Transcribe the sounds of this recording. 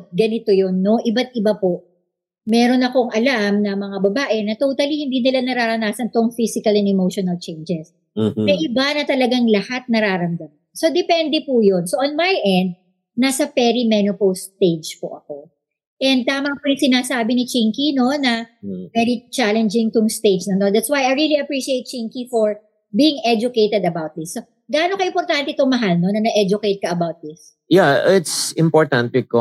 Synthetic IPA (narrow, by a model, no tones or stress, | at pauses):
ɡɐnɪt̪ojonːo̞ʔɪbat̪̚ʔɪbapo̞ | mɛːɾo̞nɐko̞ŋɐlamnɐmɐŋabɐbaːʔɛnɐt̪oːt̪ɐlihɪnd̪iːnɪlanɐɾaːɾɐnaːsɐnt̪oŋfisɪkɐlɛnɛmowʃonɐlt͡ʃejnd͡ʒɛs | nɐʔɪbanɐt̪ɐlɐɡaŋlɐhat̪̚nɐɾaːɾɐmd̪ɐm | so̞d̪ɛpɛnd̪ɛpujo̞nsoʔonmajʔɛnd̪̚ | nasɐpɛɾimɛnopowst̪t̪ejd͡ʒpo̰ʔɐko̞ | ʔɛnd̪̚t̪aːmɐpujɪŋsɪnaːsaːbɪnɪt͡ʃiŋkino̞nɐvɛɹit͡ʃalɛnd͡ʒɪŋt̪ʊŋst̪ejd͡ʒnɐt̪od̪at̪swajɐjɹiliɐpɹiʃiejt̪̚t͡ʃiŋkifoɹ | biːɪŋʔɛd͡ʒʊkejt̪ɛd̪ɐbawt̪̚d̪ɪsːo | ɡaːnokɐʔɪmpɔɾt̪ant̪ɛt̪oŋmɐɦalnonɐnɐʔɛd͡ʒʊkejt̪̚kɐʔɐbawt̪̚d̪ɪs | jaɪt̪sɪmpoɹt̪ɐnt̪ɛko